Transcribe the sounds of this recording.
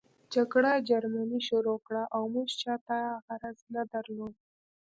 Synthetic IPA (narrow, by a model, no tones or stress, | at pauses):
d͡ʒaɡɽad͡ʒaɾmaniʃoɾokɽaʔawmuʒt͡ʃɑt̪ahaɣaɾɑznad̪aɾlod̪̚